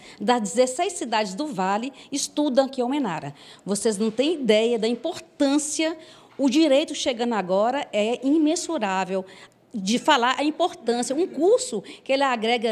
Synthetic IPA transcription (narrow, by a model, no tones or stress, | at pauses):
d̪ɐzd͡ʒɪzesejsːid̪ad͡ʒɪzd̪ʊvalɪɪst̪ud̪ɐ̃kɪowmẽna̰ɾɐ̰voseznɐ̃w̃t̪ẽj̃id̪ɛjɐd̪ɐĩpoɾt̪ɐ̃siɐ | ʊd͡ʒiɾejt̪ʊʃeɡɐ̃nd̪ʊaɡɔɾɐʔɛĩmẽsuɾavew | d͡ʒɪfalaɾʔɐĩpoɾt̪ɐ̃siɐũkuɾsʊkɪelɪaɡɾɛɡɐ